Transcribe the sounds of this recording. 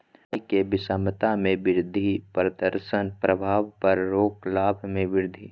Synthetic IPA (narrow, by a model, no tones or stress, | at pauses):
kebɪsamət̪amẽʋɪɾd̪ʱipɾəd̪əɾʃənpɾəbʱaːʋpɐɾɾoːklaːbʱmẽʋɪɾd̪ʱi